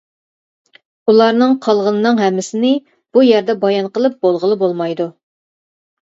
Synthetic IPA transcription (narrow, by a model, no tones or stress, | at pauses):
ulˠɑɾnɨŋqʰɑlˠʁənɨnɨŋɦɛmːɪsɪnɪ | b̥ujæɾd̪ɛbɑjɑnqəlˠɨp̚b̥olˠʁəlˠɨbolˠmɑjd̪u